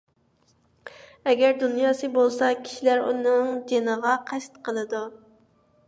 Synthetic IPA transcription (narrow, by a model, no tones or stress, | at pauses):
ɛɡʲɛɾd̪unjɑːsɨbolˠsɑkʲʰi̥ʃilæɾṵnɨŋd͡ʒenəʁɑqʰæst̪qʰəlˠɨd̪u